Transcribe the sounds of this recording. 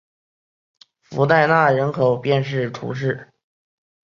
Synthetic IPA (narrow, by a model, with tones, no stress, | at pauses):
fu˧˥t̪a˥˧ɪna˥˩ɻə˧˥nkʰo˨˩ʊpjɛ˥˧nʂ̬ɻ̩˥˩ʈ͡ʂʰṵ˧˥ʂ̬ɻ̩˥˩